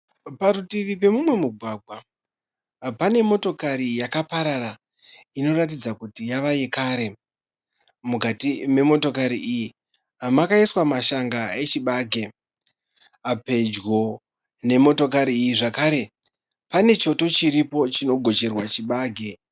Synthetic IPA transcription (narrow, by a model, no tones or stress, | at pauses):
paɾutiʋip̬e̞mumwe̞muɡʱwaːɡʱwa | pane̞mo̞to̞kaɾijakapaɾara | ino̞rat̬id͡zakutijaʋaje̞kaːɾe̞ | mukatime̞mo̞to̞kaɾiʔiji | amakaiswamaʃaŋɡae̞t͡ʃiɓaːɡʱe̞ | ape̞d͡ʒɡo̞ | ne̞mo̞to̞k̬aɾiːjiʐakaɾe̞ | pane̞t͡ʃo̞to̞t͡ʃiɾipo̞t͡ʃino̞ɡʱo̞t͡ʃe̞rwat͡ʃiɓaːɡʱe̞